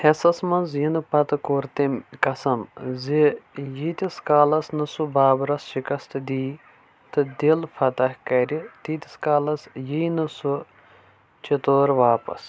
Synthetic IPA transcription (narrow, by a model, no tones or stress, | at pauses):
hɐsɐsmɐnzjinɨpɐt̪ɨkoːɾt̪emkɐsɐmzijit̪ʲiskaːlɐsnɨsubaːbɾɐsʃikɐst̪ɨd̪iː | t̪ɨd̪ilfʰɐt̪ɐhkɐɾʲit̪it̪ʲiskaːlɐsjijnɨsu | t͡ʃit̪oːɾʋaːpɐ̰s